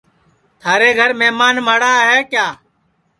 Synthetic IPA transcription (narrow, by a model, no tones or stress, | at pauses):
t̪ʰaːɾeːɡʱəɾmɛːmaːnmaːɽaːɦeːkjaː